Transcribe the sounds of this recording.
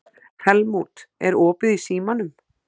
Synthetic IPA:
hɛlmut̪ɛɾɔːpʏðisiːmanʏm

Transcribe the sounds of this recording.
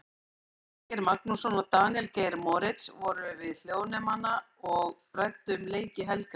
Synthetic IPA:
cɪɾmaknusɔnɔt̪aːnɛlkejɾmɔɾɪt̪svɔɾʏvɪðl̥joːwnɛmana | ɔɣpɾajt̪ːʏmleːjcɪɦɛlkɪ

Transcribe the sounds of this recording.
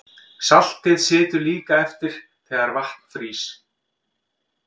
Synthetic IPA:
sal̥t̪ɪðsɪːt̪ʏɾliːkaɛft̪ɪɾ̥t̪ʰɛːɣaɾvaht̪n̥fɾiːs

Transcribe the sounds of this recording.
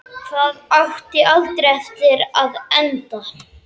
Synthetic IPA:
kʰvaːðawht̪ɪʔalt̪ɾɛft̪ɪɾaðɛnt̪a

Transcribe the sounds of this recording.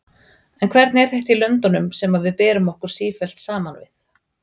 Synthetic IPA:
ɛnkʰvɛɾt̪nɛɾ̥θeht̪ilœnt̪anʏmsɛmavɪðpɛːɾʏmɔhkʏɾ̥siːfɛl̥t̪saːmanvɪ̰θ

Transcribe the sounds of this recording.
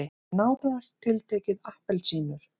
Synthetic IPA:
ɪ | naːwt̪anaɾ̥t̪ʰɪlt̪ʰɛːcɪðahpɛlsiːnʏɾ̥

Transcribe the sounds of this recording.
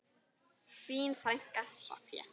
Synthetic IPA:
piːnfɾajŋ̥kaɛ̰

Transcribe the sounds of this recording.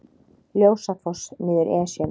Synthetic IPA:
ljoːwsafɔsnɪːðɪɾʔɛːsjɛ

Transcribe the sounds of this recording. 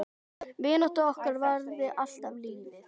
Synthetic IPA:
vɪːnɔht̪aɔhkʏɾvaɾðɪal̥t̪avliːnɪ

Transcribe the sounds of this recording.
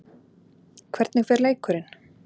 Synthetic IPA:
kʰvɛɾt̪nɪɣfɛɾleːjkʏɾɪn

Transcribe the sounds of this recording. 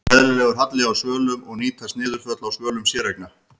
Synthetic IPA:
mɛðɾɪlɛːɣʏɾ̥ɦat̪lɪɣawsœːlʏmɔɣniːt̪ʰast̪nɪːðʏɾ̥fœt̪lawsvœːlʏmsjɛːɾajkna

